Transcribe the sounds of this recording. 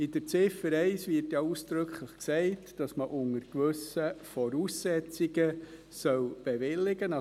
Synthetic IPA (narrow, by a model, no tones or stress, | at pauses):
ɪd̥əɾt͡sɪfəɾɛɪsʋɪɾtjɑuːsd̥ɾɵkχləχksɛɪtd̥ɑsməʔʊŋəɾkʋɵsəfɔɾuːsːɛt͡siɡə | sœwb̥eʋɪlːɪɡənɑ